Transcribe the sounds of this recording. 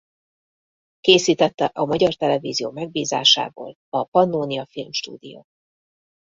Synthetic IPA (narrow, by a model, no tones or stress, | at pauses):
keːsiːt̪ɛt̪ːɛʔɒmɒɟɒrt̪ɛlɛvḭːzijoːmɛɡ̚biːza̰ːʃa̰ːbo̰ːl | ɒpɒnːoːniɒfilmʃt̪ṵːd̪ijo̰ː